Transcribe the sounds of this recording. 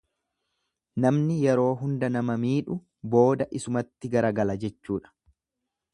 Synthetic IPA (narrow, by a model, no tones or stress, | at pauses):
nɐmnɪjɛɾo̞ːɦʊnd̪ɐnɐmɐmiːᶑʊ | bo̞ːd̪ɐʔɪsʊmɐt̪ːɪɡɐɾɐɡɐlɐd͡ʒɛt͡ʃːuːᶑɐ̥